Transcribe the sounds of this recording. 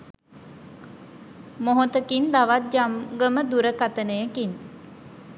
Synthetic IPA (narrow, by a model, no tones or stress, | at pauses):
moɦot̪əkind̪aʋat̪̚d͡ʒamɡəməd̪uɾəkat̪ənəjəkin